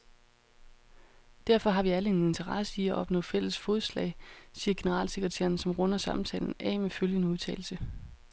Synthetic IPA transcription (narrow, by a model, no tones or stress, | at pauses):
d̥æɐ̰fɒ̽ɦɑ̈ʋiæləe̝ne̝nt͡sʰɐʁɑ̈səiæʔɒ̽b̥nɔ̰̽ːfel̰əsfo̝ːð̩ˠslɛ̰ɪsiːɐɡ̥e̝nəʁɑ̰̈ːlseɡ̥ʁɛt͡sʰæ̰ːɐnsɒ̽mʁɔ̽nɐsɑ̈mn̩t͡sʰɛ̰ːln̩ɛ̰ːmeføljənəuðˠt͡sʰɛ̰ːl̩sə